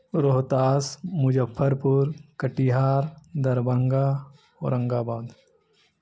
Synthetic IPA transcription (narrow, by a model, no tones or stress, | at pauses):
ɾoɦt̪aːsmʊd͡ʒəpʰːəɾpʊɾkəʈiːɦaːɾd̪ɐɾbɐŋɡa | oɾɐ̃ŋɡaːbaːd̪